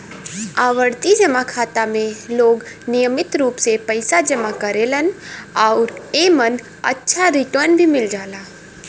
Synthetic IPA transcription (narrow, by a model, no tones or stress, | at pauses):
aːʋəɾt̪id͡ʒəmakʰaːt̪amẽloːɡnɪjəmɪt̪ɾuːpsepəɪsad͡ʒəmakəɾelənaʊɾemən | ə̰tːʃʰaɾɪʈəɾnbʱimɪld͡ʒaːlaː